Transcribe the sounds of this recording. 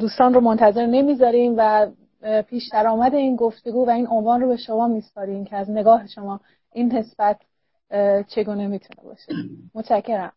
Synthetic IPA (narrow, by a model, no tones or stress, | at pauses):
d̪uːst̪ɒːnromont̪ʰæze̞ɾne̞miːzɒːɾiːmvæ | pʰiːʃd̪æɾɒːmæd̪e̞iːnɡo̞ft̪e̞ɡuːvæiːno̞nvɒːnrobe̞ʃo̞mɒːmiːspɒːɾiːmcʰeæzne̞ɡɒːɦe̞ʃo̞mɒː | ʔiːnɦe̞sb̥æt̪ʰ | t͡ʃʰe̞ɡuːne̞miːt̪ʰune̞̰bɒ̰ːʃemot̪ʃæcʰːe̞ɾæm